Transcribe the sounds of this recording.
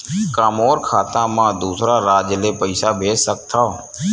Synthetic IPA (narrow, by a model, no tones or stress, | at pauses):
kaːmoːɾkʰaːt̪ãːmãːd̪uːsɾaːɾaːd͡ʒleːpəɪsaːbʱeːsːək̚t̪ʰaː